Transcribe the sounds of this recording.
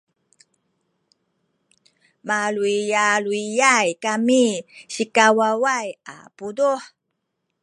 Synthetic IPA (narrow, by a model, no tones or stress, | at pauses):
maluijaluijajkamiɕikawawaja̰puduħ